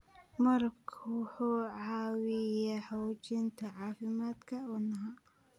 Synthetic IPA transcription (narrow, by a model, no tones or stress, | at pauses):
mɐɾɐbkʰwʊħuːʕɑːwɪjaːħɔwt͡ʃɪnt̪ʰɐʕɑːfɪmaːd̪kʰɐuːnɐɦaː